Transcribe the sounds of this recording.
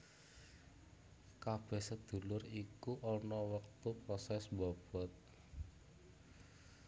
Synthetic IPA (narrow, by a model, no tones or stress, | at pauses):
kab̥ɛ̤hsəd̪̥ṳlʊɾikuʔɔnɔwək̚t̪upɾɔsɛsbɔb̥ɔ̤t̪̚